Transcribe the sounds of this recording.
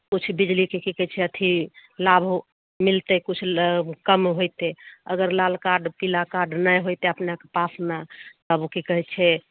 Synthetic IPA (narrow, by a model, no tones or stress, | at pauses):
kut͡ʃʰbid͡ʒlikekikəɦt͡ʃʰɛət̪ʰilabʱu | milt̪ɛkut͡ʃʰkəmɦojt̪eəɡəɾlalkaɖpilakaɖnəjɦojt̪eəpneakepasnat̪əbukikəɦɛt̪t͡ʃʰɛ